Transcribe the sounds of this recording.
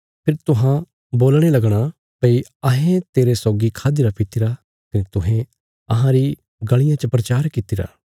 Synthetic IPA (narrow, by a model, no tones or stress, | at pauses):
pʰɪɾt̪ʊɦã | boːlɽ̃elɐɡɽ̃a | pɐiɐɦẽt̪eːɾesɔːɡikʰaːd̪iɾapɪt̪iɾa | kɐnet̪ʊɦɛ̃ | ɐɦãɾi | ɡɐɭ̃ɪjãt͡ʃəpɾɐt͡ʃaːɾkɪt̪iɾa̰ː